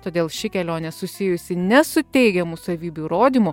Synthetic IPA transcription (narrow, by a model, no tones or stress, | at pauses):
t̪oːd̪ʲeːlˠʃʲɪkʲɛlʲoːnʲɛsʊsʲɪjʊsʲɪnʲɛsʊt̪ʲɛɪɡʲɛmʊsɐʋʲiːbʲuɾoːd̪ʲimʊ